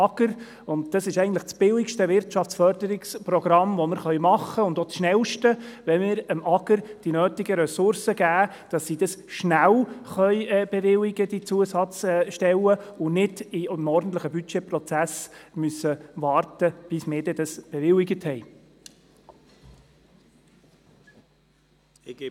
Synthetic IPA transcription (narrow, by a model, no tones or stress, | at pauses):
ɑɡ̥əɾ | ʊnd̚d̥ɑsɪʃɛɪɡəntləχt͡sb̥ɪlɪkʃtəʋɪɾtʃɑft͡sfœɾdəɾɪkspɾɔɡ̥ɾɑmʋɔməɾχœʏmɑχːəʊndot͡sʃnɛlʃtəʋɛmɪːɾəmɑɡəɾd̥inøːtɪɡəɾɛsʊɾsəɡ̥æː | d̥ɑsːid̥ɑsʃnælχœʏb̥eʋɪlɪɡ̥əd̥̪it͡suəsɑt͡sːʃtɛləʊnɪd̥imɔɾdn̩t̪ləχəbyt͡ʃepɾɔt͡sæsmysəʋɑːrtəb̥ɪsmɪːɾdɛd̥ɑsb̥eɛʋɪlɪɡəthɛɪ